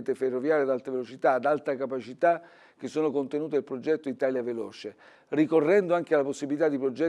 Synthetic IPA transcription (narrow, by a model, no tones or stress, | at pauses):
nt̪eferːovjaːɾjad̪alt̪evelot͡ʃit̪aːd̪alt̪akapat͡ʃit̪a | k̟esːoːnokont̪enuːt̪̬eilpɾod͡ʒɛt̪ːoit̪aːljavelɔːt͡ʃe | rikorːɛnd̪oaŋk̟ealːaposːibilit̪ad̪ːipɾod͡ʒɛ